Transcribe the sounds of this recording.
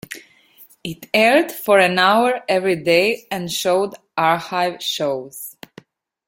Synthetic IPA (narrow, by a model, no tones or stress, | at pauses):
ɪtɛɹdfɔɹɨ̃nawəɹɛvɹideɪɛ̃nʃoʊd | ʔaɹhaɪvʃoz̥